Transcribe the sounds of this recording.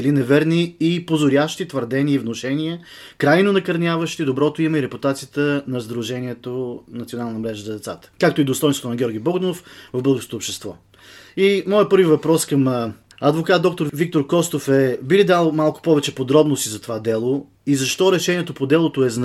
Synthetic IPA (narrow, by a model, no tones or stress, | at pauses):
ɛlinɛvɛɾniːpozoɾʲjaʃt̪it̪vəɾd̪ɛniəivnoʃɛniə | kɾajnonɐkɐɾnʲjavəʃt̪id̪obɾɔt̪oimɐiɾɛput̪at̪sijət̪ənɐzd̪ɾuʒɛniɛt̪onɐt̪sionalˠnəmɾɛʒəzɐd̪ɛt̪sat̪ə̥kak̚t̪oid̪ost̪ɔjnst̪vot̪onɐɡʲɔɾɡʲibɔɡd̪nofvəvblˠɡʊʃt̪ot̪oːpʃt̪ɛst̪vɔ̰ | imɔjəpɤɾvivɐpɾɔskəm | ɐd̪vokat̪̚d̪ɔk̚t̪oɾvik̚t̪oɾkɔst̪ofɛbilid̪alˠmalˠkʊ̥pɔvɛt͡ʃɛpod̪ɾɔbnost̪izɐt̪ovad̪ɛlˠo | izɐʃt̪ɔɾɛʃɛniɛt̪opod̪ɛlˠot̪oɛzn